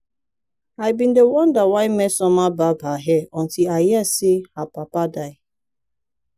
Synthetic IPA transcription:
aɪbindewɔndawaɪmesɔmababaɦeɔntiajasiapapadaɪ

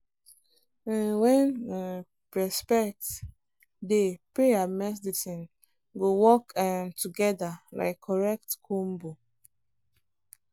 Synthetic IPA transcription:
wɛ̃n | pɹɛspɛk̚t | depɹeamɛdisĩn | ɡowɔkamtuɡɛdala̰ɪkʰːɔɹɛk̚tkʰũmbo

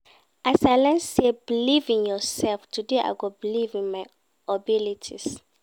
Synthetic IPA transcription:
ʔasaɪlɛ̃nsebilivĩŋjɔsɛlftʰudeʔa̰ɪɡobilivĩnmaj | ɔbilitʰis

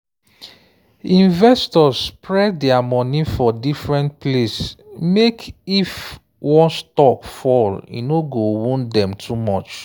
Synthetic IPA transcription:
ĩnvɛstɔsːpɹɛddɛamɔnifɔdifɹɛ̃ntplesmekif | wɔ̃nstɔkfɔlḭnoɡowũndɛ̃mtʰumɔt͡ʃ

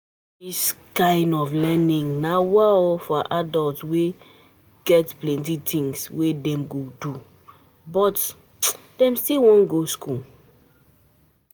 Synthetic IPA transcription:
diskãɪ̃ndɔflɛnĩŋnawaɔfɔʔadɔltwe | ɡ̥ɛtplɛ̃ntitʰĩŋswedɛ̃mɡodu | bɔt | d̥ɛ̃mstilwɔ̃nɡoskʰul

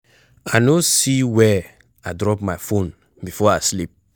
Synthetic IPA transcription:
anosiwɛ | aɪdɹɔpmajfõn | bifɔaslip̚

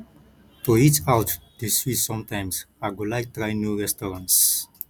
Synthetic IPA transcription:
tuitawtd̪̥isfisɔ̃mtãjms | aɡulajk̚tɹajnjuɹɛstɔɹãnts

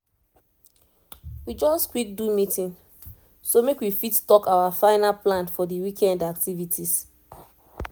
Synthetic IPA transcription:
wid͡ʒɔskwik̚dumitĩn | somekwifittɔkawafãɪnaplãnfɔdiwikʰɛ̃ndak̚tivitʰis

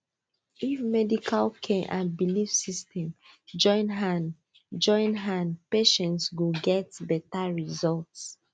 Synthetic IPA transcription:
ifmɛdikʰalkʰɛ̃ʔãnbilifsistʰɛ̃m | d͡ʒɔ̃ɪ̃nɦãn | d͡ʒɔ̃ɪ̃nɦãnpeʃɛ̃ntswiɡɛtbɛtaɹizɔlts

